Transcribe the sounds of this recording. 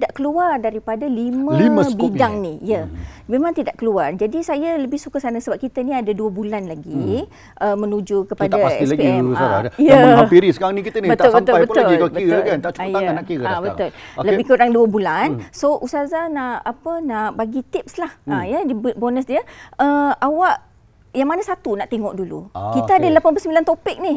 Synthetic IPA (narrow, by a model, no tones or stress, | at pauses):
t̪idaʔkəluardaɾipadaliməlliməbidaŋnijəmemãŋt̪idaʔkəluard͡ʒadisajaləbɪhsukəsanəsəbap̚kit̪əniadaduəbulanlaɡi | ʔəmənud͡ʒukəpad̪aaailaɡpeiɛusaa̰ijəpiɾisəkaɾaŋnĩkiənibət̪aʊlsbəmʊlajbəpt̪ʊilkəiɣəʊlkant̪aʔt͡ʃu̥j̪aəanaʔkiɣəabət̪ʊlləbɪhkuɾaŋduəbulansoʔusazanaʔapənaʔbaɡit̪ɪp̚slahajədibbonəsdiəəawaʔ | jaŋmanasat̪unaʔt̪eŋɔʔdulṵkit̪əadalapanpəsəmbilant̪opɪk̚nih